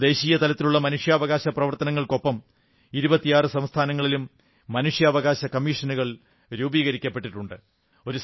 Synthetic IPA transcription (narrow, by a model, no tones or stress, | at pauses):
d̪e̞ːɕiːjɐt̪ɐlɐt̪ːiluɭːɐmɐnuʂjɐːʋɐɣaːɕɐprɐʋɐrt̪ɐnɐŋːɐɭko̞pːɐm | iɾubɐt̪ːijaːrɨsɐmst̪ʰaːnɐŋːɐɭilumː | ɐnuʂjɐːʋɐɣaːɕɐkɐmːiːʂɐnuɣɐɭ | ɾuːbiːɣɐɾikʲːɐpːe̞ʈːiʈːuɳɖɨ | o̞ɾu